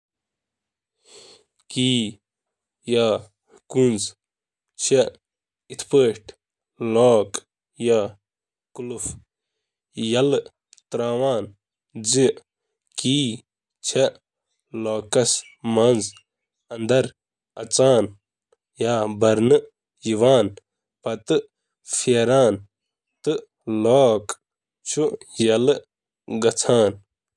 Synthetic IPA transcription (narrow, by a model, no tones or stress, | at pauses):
kiː | jaː | kunz | t͡ɕʰe | it̪ʰpəːʈʰ | loːk | jaː | kuluf | jɐl | t̪ɾaːwaːn | d͡zi | kiː | t͡ʃʰɐ | loːkɐs | mɐnz | ɐnd̪ɐɾ | ɐt͡saːn | jaːbɐɾnɨ | jiʋaːn | pɐt̪ɨ | fʰiːɾaːn | t̪ɨ | loːk | t͡ʃʰujɐl | ɡɐt͡sʰaːn